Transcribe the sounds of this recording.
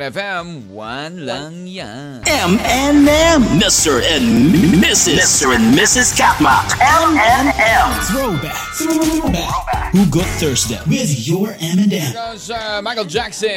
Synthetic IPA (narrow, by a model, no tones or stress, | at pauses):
ɛ̃mɛ̃nɛ̃mmɪstə˞ɨ̃nmɪsɪɪstə˞ɨ̃nmɪsɨz̥kʰæt̚mɑ̰kɛ̃mɛ̃nɛ̃mθɹoʊbækbæhuɡʊd̪̚θɜ˞zdeɪwɪðjə˞ɛ̃mɨ̃nɛ̃m | aɪkl̩ˠd͡ʒæksɨ̃